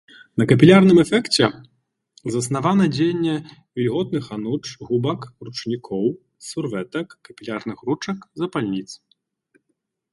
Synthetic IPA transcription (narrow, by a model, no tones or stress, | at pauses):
nɐkɐpʲilʲarnɨmɛfɛkt͡sʲɛ | zɐsnavanɐd͡zʲejnʲːɛvʲilʲɣɔt̪̚nɨxanut͡ʂɣubɐkrut͡ʂnʲikʰɔw | survɛt̪ɐkːɐpʲilʲarnɨxrut͡ʂɐkzɐpalʲnʲit̪s